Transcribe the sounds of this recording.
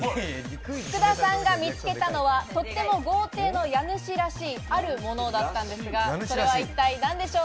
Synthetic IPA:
kɯ̟d̪asãŋɡamʲit͡sɨ̥ke̞t̪ano̞βat̪o̞t̪ːe̞mo̞ɡo̞ːt̪e̞ːno̞janɯ̟ɕiɾaɕiːaɾɯ̟mo̞no̞d̪at̪ːãnd̪e̞sɨɡaso̞ɾe̞β̞ait̪ːainãnd̪e̞ɕo̞ː

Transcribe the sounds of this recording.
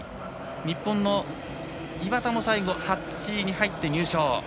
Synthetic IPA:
ɲ̟ipːõ̞nːo̞ | ibat̪amosaiɡo̞ha | t͡ɕiɲ̟iɦait̪ːe̞ɲ̟ɨːɕoː

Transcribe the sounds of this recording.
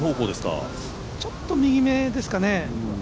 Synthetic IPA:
ɦoːkoːd̪e̞sɨ̥ka̰ | t͡ɕo̞t̪ːo̞mʲiɡʲime̞d̪e̞sɨ̥kane

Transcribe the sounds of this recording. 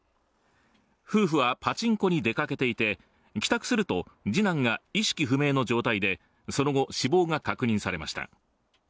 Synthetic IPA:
ɸɯ̟ːɸɯ̟βapat͡ɕĩŋko̞ɲ̟id̪e̞kake̞t̪e̞it̪e̞ | kʲi̥t̪akɯ̟̥sɨɾɯ̟t̪o̞d͡ʑinãŋɡaiɕi̥kʲiɸɯ̟me̞ːno̞d͡ʑo̞ːt̪aid̪e̞ | so̞no̞ɡo̞ɕibo̞ːŋakakɯ̟ɲ̟ĩɰ̃saɾe̞ma̰ɕi̥t̪a̰

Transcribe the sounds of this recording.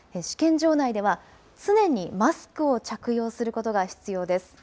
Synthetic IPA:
eɕi̥kẽ̞ɲ̟d͡ʑo̞ːnaid̪e̞βa | t͡sɨnẽ̞ɲ̟imasɨ̥kɯ̟o̞t͡ɕakɯ̟jo̞ːsɨɾɯ̟ko̞t̪o̞ɡaçi̥t͡sɨjo̞ːd̪e̞sɨ̥

